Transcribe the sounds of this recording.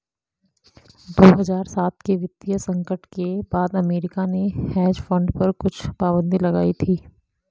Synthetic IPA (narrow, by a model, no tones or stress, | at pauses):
d̪oːɦɐzaːɾsaːt̪keʋɪt̪ijəsɐ̃ŋkəʈkebaːd̪ɐmeːɾɪkanehɛːd͡ʒfɐ̃ɳɖpɐɾkʊt͡ʃʰpaːbə̃nd̪ilɐɡa̰ːit̪ʰiː